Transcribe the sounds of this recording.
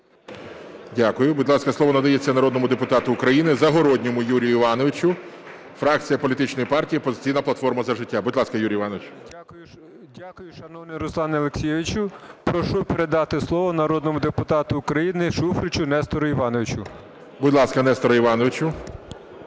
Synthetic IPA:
dʲakʊjʊbud̪ʲlˠɑskɐsˠɔʋɔnɐd̪ɐjet͡sʲːɐnɐɾɔd̪nɔmʊd̪epʊt̪ɑt̪ʊːkɾɐjinɪzɐɦɔɾɔdʲnʲɔmʊjuɾʲijʊiʋɑnɔʋɪt͡ʃʊ | fɾɑkt͡sʲijɐpɔlʲit̪ɪt͡ʃnɔjipɑrtʲijipɔzɪt͡sʲijnɐplˠɐt̪fɔrmɐzɐʒɪtʲːabʊdʲlˠɑskɐjuɾʲiʋɑnɔʋet͡ʃʲʊjʊ | dʲakʊjʊʃɐnɔʋnɪjɾʊslˠɑnɪɐlˠeksʲijɛʋʲɪt͡ʃʊpɾɔʃupeɾed̪ɑt̪ɪslˠɔʋɔnɐɾɔd̪̚nɔmʊd̪epʊt̪ɑt̪ʊːkɾɐjinɪʃufɾʲɪt͡ʃʊnɛst̪ɔɾʊiʋɑnɔʋɪt͡ʃʊ | buʊdʲlˠɑskɐnɛst̪ɔɾɐiʋɑnɔʋɪt͡ʃʊ

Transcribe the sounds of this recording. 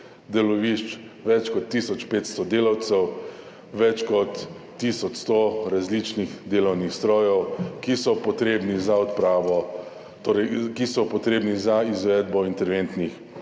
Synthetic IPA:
d̪ɛlɔʋiʃt͡ʃ | ʋɛt͡ʃkɔt̪ːisɔt͡ʃpeːt̪st̪ɔd̪eːlawt̪sɛw | ʋɛt͡ʃkɔt̪ː | isɔt͡ʃst̪oɾazlit͡ʃnixd̪eːlɔwnixst̪ɾɔːjɔwkisɔpɔt̪ɾeːbnizaɔt̪pɾaːʋɔ | t̪oːɾɛjkisɔpɔt̪ɾeːbnizaizʋɛd̪bɔint̪ɛɾʋent̪nix

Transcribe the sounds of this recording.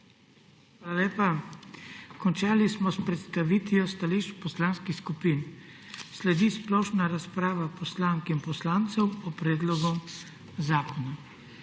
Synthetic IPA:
xxʋaːlaleːpa | kɔnt͡ʃaːlismɔspɾɛt̪st̪aʋit̪ijɔst̪aliʃpɔslaːnskixskupiːn | slɛd̪isplɔːʃnaɾaspɾaːʋapɔslaːŋkinpɔslaːnt̪sɛwɔpɾɛːd̪lɔɡɔm | zaːkɔna

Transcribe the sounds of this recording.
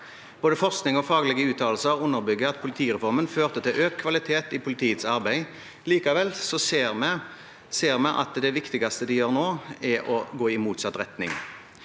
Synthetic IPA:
b̥oːd̪əfɔʁsknɪŋɔfɑːɡlɪɡəʉːt̪ʰɑːlsəʁʊnːəɾbʏɡːəɑt̪pʰʊlɪt̪ʰiːʁɛfɔʁmənføːʁt̪ət̪ʰɪlʔøːkkʰːʋɑlɪt̪ʰeːt̪ɪpʰʊlɪt̪ʰiːət̪sɑʁbæɪ | liːkɑʋɛlsɔseːʁmɛ | seːʁmɛʔɑ̰t̪d̪ɛʋɪkt̪ɪɡɑst̪əd̪ɪjøːʁnoːɛɾɔɡoːɪmuːt̪sɑt̪ːʁɛt̪nɪ̰ŋ

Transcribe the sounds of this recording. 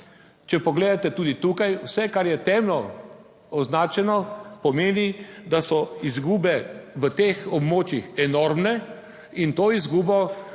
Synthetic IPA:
t͡ʃɛpɔɡleːd̪at̪ɛt̪uːd̪it̪ukajwsɛkaɾjɛt̪ɛːmlɔ | ɔznaːt͡ʃɛnɔpɔmeːnid̪asɔizɡuːbɛʋət̪eːxɔbmoːt͡ʃjixɛnoːɾmnɛ | int̪oːizɡuːbɔ

